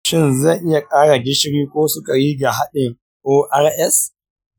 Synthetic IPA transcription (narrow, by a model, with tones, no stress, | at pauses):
ʃɪ˦˨nzɐ˦˨ŋʔɪ˦ja˨kʼaː˦ɽa˨ɡʲɪ˦ʃɽiː˦kʷoː˦sʊ˦ka˨jiː˦ɡa˨ɦa˦ɗɪ˨ŋ | ʔoː˦ʔa˦rʔɛ˦s